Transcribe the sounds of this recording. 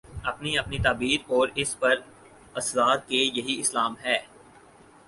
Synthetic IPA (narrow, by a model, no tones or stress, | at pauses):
ɐpniɐpnit̪aːbiːɾɔːɾɪspɐɾ | ɐsɾaːt̪̚kejɐɦiɪslaːmɦɛː